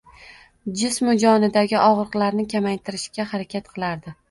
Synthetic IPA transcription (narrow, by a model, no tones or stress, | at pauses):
d͡ʒɪsmʊd͡ʒɒnɪd̪aɡʲɪʔɒʁɾɨqlˠaɾnɪkʲʰamajt̪ʰɪɾɪʃkʲahaɾakʲʰat̪qʰɨlˠaɾd̪ɪ